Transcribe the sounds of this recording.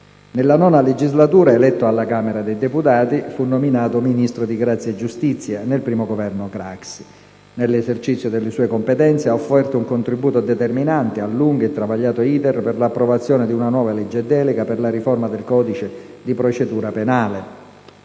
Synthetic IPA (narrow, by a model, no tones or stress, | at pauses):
nelːanɔːnaled͡ʒizlat̪uːɾaelɛt̪ːoalːakaːmeɾad̪ejd̪eput̪aːt̪ifunːominaːt̪ominist̪ɾod̪iɡɾat̪sjaed͡ʒːust̪it̪sːjanelpɾiːmoɡovɛrnokɾa̰ksi̥ | nelːezert͡ʃit̪sːjod̪elːɪsuːekompet̪ɛnt̪seaofːɛrt̪ouŋkont̪ɾibːuːt̪od̪ɛt̪erminant̪ealːuŋɡet̪ːɾavaʎːaːt̪oiːt̪erperlapːɾovat̪sːjɔːned̪iunanwɔːvalɛd͡ʒːed̪ːɛːleɡaperlaɾiformad̪elkɔːd̪it͡ʃe | d̪ipɾot͡ʃed̪uːɾapenaːle